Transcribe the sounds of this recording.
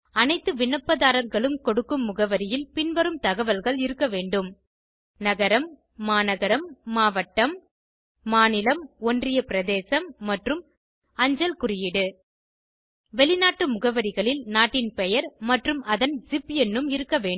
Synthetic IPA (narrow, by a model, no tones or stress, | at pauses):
ɐnɐɪt̪ːɯʋɪɳːɐpːɐðaːɾɐɾɣɐɭɯmkɔɽɯkːɯmːʊɣɐʋɐɾɪjɪlpɪnʋɐɾɯmt̪ɐɣɐʋɐlɣɐɭɪɾɯkːɐʋeːɳɖɯm | nɐɣɐɾɐmː | aːnɐɣɐɾɐmːaːʋɐʈːɐmː | aːnɪlɐmɔndrɪjɐpɪɾɐðeːsɐmːɐʈrɯm | ɐɲd͡ʒɐlkʊɾɪjɪɽɯ | ʋɛɭɪnaːʈːɯmʊɣɐʋɐɾɪɣɐɭɪlnaːʈːɪnpɛjɐɾmɐʈrɯmɐðɐnsɪpːɛnːɯmɪɾɯkːɐʋeːɳ